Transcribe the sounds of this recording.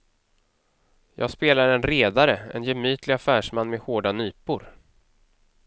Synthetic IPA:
jɑ̰ːɡspeːlaɾɛnɾeːd̪aɾəɛ̰njɛmyːt̪ʰlɪɡafæːʂmanːmɛhoːɖanyːpʊɾ

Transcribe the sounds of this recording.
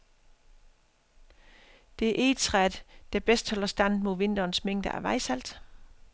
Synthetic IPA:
d̥e̝æɐʔe̝̥t͡sʰʁæd̥d̥æb̥esd̥hɒ̽lɐsd̥æn̰d̥mo̝ðˠʋe̝n̰d̥ɐnsmeŋ̰d̥əæ̰ʋɑ̈ɪsæl̰d̥

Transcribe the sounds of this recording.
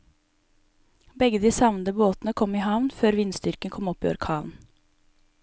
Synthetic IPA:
bɛɡəd̪iːsɑʋnəd̪əboːt̪nəkʰɔmihɑʋnføːɾʋɪnst̪ʏɾkənkʰɔmɔpiːɔ̰ɾkʰɑːʋn

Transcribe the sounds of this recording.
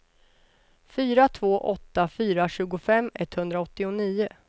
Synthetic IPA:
fyːɾat̪ʰvoːʔɔt̪ːafyːɾaɕʉ̟ːɡʊfɛmːɛt̪ːhɵnd̪ɾaɔt̪ːɪʊniːʊ

